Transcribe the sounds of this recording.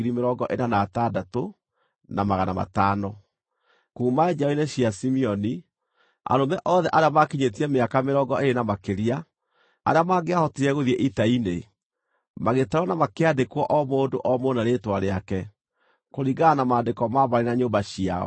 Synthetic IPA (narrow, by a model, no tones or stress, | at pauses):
iɾimeɾɔɡɔʔenanatadato | namaɣana̰ma̰taːnɔ | kuːmad͡ʒɔineɕiasimiɔni | a̰ɾomɛʔɔðɛʔaɾeamakiɲetiɛmeakameɾɔɡɔʔeɾenamakeɾia | a̰ɾeamaːɡeahɔtiɾɛɣoðiɛʔitaine | maɣetaɾwɔnamakeadekwɔʔɔmoːndoʔɔmonaɾetwaɾeakɛ | koɾiɣanamaːndekɔmaβaɾenaɲoːbaɕia̰ɔ̰